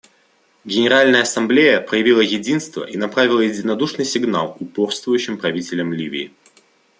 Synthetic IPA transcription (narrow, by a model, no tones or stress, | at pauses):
ɡʲɪnʲɪɾalʲnəjəɐsɐmblʲejəpɾəjɪvʲilˠəjɪdʲinst̪və̰ʔinɐpɾavʲɪlˠəjɪdʲɪnɐd̪uʂnɨjsʲɪɡna̰lˠʊporst̪vʊjʉɕːɪmpɾɐvʲitʲɪlʲəmlʲivʲɪ̰ː